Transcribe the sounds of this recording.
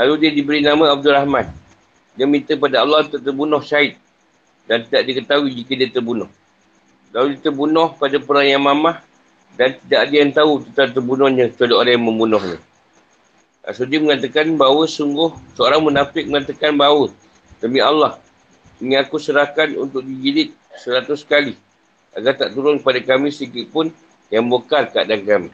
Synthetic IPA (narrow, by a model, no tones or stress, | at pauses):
laludiədibəɾinamaab̚dulahman | diəmint̪əpadaalːɑhunt̪uʔ̚t̪ərbunɔhsaɪt̪̚ | dant̪idaʔdiəkət̪awid͡ʒikədiət̪ərbunɔh | laludiət̪ərbunɔhpadapəɾaŋjaŋmamah | dant̪idaʔdiəant̪aut̪ət̪ant̪ərbunɔhɲət̪ədoʔadajməmbunɔhnə̰ | a̰sudiəməŋat̪akanbawəsuŋɡʊhsəoɾaŋmənapɪk̚məŋat̪akanbawə | t̪əmialːah | iŋakusəɾahkanṵnt̪ʊk̚did͡ʒilɪt̪̚ | səɾat̪ʊsə̥kali | ʔa̰ɡart̪aʔt̪uɾʊnkəpadakamĩsəikɪʔpʊn | jaŋbokarkaadankamḭ